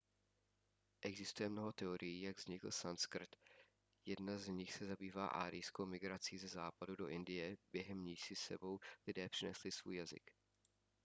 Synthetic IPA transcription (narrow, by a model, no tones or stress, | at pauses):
ʔɛɡzɪst̪ujɛmno̞ɦo̞t̪ɛo̞ɾʔɪjiːjaɡvzɲɪkl̩sanskr̩t̪ | jɛdnazɲɪxsɛzabiːvaːʔa̰ːɾɪjskowmɪɡɾat͡siːzɛzaːpadudo̞ʔɪndɪjɛbjɛɦɛmɲiːsɪsɛ̰bo̞wlɪdɛːpr̥ɪnɛ̰slɪsv̥ṵːjazɪ̰k